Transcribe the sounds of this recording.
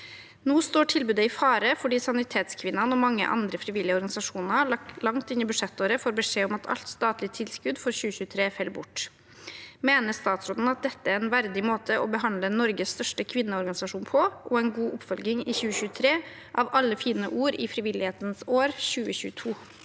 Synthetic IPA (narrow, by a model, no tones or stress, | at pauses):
noːst̪oːʈʰɪlbʉːd̪əɪfɑːɾəfɔɖiːsɑnɪt̪ʰeːt̪skʰʋɪnːɑnɔmɑŋːə̰ʔɑ̰nd̪ɾəfɾɪʋɪlːɪəɔɾɡɑnɪsɑʂuːnəlɑŋt̪ɪnːɪbʉʂɛt̪ːoːɾəfoːɾbəʂeːɔmɑt̪ʰɑ̰lt̪st̪ɑːt̪lɪt̪ʰɪlskʉd̪fɔɾçʉːəçʉːt̪ʰɾeːfɛlːbʊʈː | meːnəst̪ɑːt̪sɾod̪n̩ɑt̪̚d̪ɛt̪ːəæɾɛnʋæɾd̪ɪmoːt̪ʰəʔɔbəɦɑnd̪ləɛnːɔɾɡəsst̪œʂʈəkʰʋɪnːəɔɾɡɑnɪsɑʂuːnpʰɔʔɔɛnɡuːʔʊpfœlɡɪŋɪçʉːəçʉːət̪ʰɾeː | ʔɑːʋʔɑlːəfiːnə̰ʔuːɾɪ̰fɾɪʋɪlɪheːt̪ənsoːɾçʉːəçʉ̰ːət̪ʰuː